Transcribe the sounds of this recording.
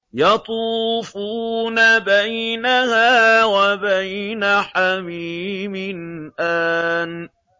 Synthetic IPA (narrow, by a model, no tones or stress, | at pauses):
jɑt̪ˤuːfuːnabajnahaːwabajnaħamiːmɪnʔaːn